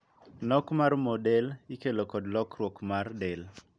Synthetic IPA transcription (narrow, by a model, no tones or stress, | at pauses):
nɔkmarmɔdɛlikelokɔdlɔkɾwɔkmardɛl